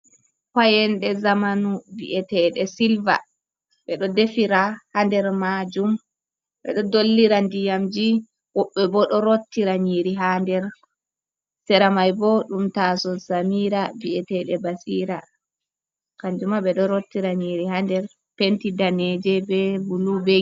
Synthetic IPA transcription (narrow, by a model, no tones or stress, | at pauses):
kajɛnɗɛzamanuvḭʔɛtɛɗɛsilva̰ | ɓɛɗɔdefiɾahandɛɾmad͡ʒum | ɓɛ̰ɗɔdolːiɾandijamd͡ʒi | wɔɓːɛbɔɗɔɾotːiɾaɲiːɾiɦandɛɾ | sɛɾamajbɔɗumtasɔzamiːɾaviɛtɛɗɛbasiːɾa | kaɲd͡ʒumaɓɛɗɔɾotːiɾaɲiɾihandɛɾ | pentidanɛd͡ʒɛbɛbulube